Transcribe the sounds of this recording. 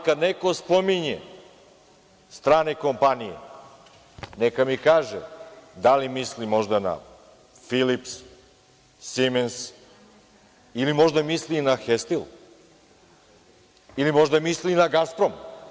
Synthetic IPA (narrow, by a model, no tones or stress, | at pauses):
kad̪neko̞spo̞miɲḛ | st̪ɾaːneko̞mpanijḛ | nekamikaːʒḛd̪alimislimo̞ʒd̪ana̰ | filips | imens | ilimo̞ʒd̪amislinaxest̪il | ilimo̞ʒd̪amislinaɡaspɾo̞m